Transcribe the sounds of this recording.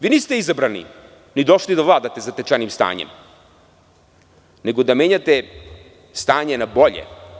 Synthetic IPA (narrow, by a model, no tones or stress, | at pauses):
ʋiːniːst̪eizabɾanḭ | nid̪o̞ʃlid̪aʋlaːd̪at̪ezat̪et͡ʃanimst̪a̰ːɲḛm | neɡo̞d̪ame̞ːɲat̪e | st̪aːɲenabo̞ʎḛ